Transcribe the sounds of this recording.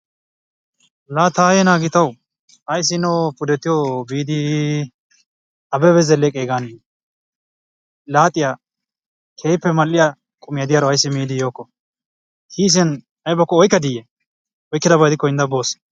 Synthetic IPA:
laːt̪aːjɛnaːɡɪt̪ɐw | ɐjs̬ɪnɔpʊd̪ɛt̪ːɪjobiːd̪ɪ | ɐbɛbɛzɛlːɛkʼeːɡaːnɪ | laːt̪ʼɪja | kʰeːjpːɛmɐlːɪja | kʼʊmɪjɐd̪ɪjaɾɔɐjsːɪmiːd̪ɪjoːkːɔ | hʰiːs̬ɛn | ɐjbɐkːɔɔjkːɐd̪ɪjɛ | ɔjkːɪd̪ɐbɐjd̪ɪkːɔjɪnd̪ɐboːs

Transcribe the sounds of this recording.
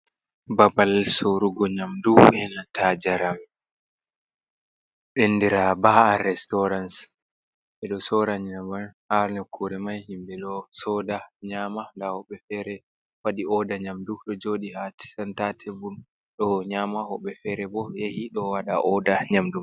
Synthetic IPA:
babalsoɾuɡɔɲamduɛnatʰad͡ʒaɾam | ɗenːdiɾabaːaɾɛstɔɾans | ɓɛɗɔsɔɾaɲinabanhaɾnɔkʰːuɾɛmajhimbɛɗɔsɔdaɲamandahɔɓːɛfɛɾɛ | waɗiɔdaɲamduɗɔd͡ʒoɗihatɛntatʰɛbun | ɗɔɲamahɔɓːɛfɛɾɛbɔjehiɗɔwaɗa̰ʔɔdaɲamdum

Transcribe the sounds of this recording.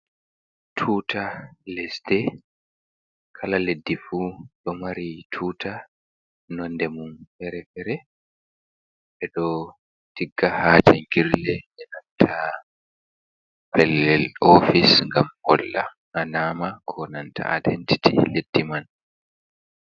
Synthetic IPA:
tʰuːtʰalɛsdɛ | kʰalaledːifuɗɔmaɾitʰuːtʰa | nɔndɛmunfɛɾɛfɛɾɛ | ɓɛɗɔ | tiɡːahaːtɛŋɡiɾlɛʔɛnantʰa | pɛlːɛlɔfisŋɡamhɔlːaː | namakʰɔnantʰa̰a̰dɛntʰi̥tʰḭledːiman

